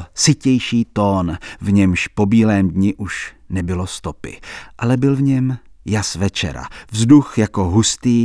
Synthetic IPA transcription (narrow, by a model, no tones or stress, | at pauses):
sɪcɛjʃiːt̪o̞ːnvɲɛmʃpo̞biːlɛːmdɲɪʔuʃnɛbɪlo̞st̪o̞pɪ̰ʔalɛbɪlvɲɛmjasvɛt͡ʃɛ̰ɾa̰vzduxjako̞ɦust̪iː